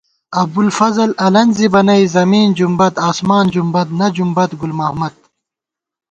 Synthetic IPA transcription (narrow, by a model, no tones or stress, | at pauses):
ɐb̚d̪ulfɐzɐlɐlɐnzibɐnɐjzɐmiːnd͡ʑumbɐt̪aːsmaːnd͡ʑumbɐt̪nɐd͡ʑumbɐt̪ɡulmɐhmɐt̪̚